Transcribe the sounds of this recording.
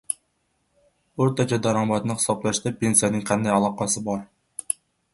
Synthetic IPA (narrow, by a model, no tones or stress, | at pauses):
oɾt̪ʰɑt͡ʃʰɑd̪ɑɾɑmɑt̪nɨχɨ̥sɑplˠɑʃd̪ɑpensijɛnɪŋqʰɑnd̪ɛjɑlˠɑqɑsɨbɑɾ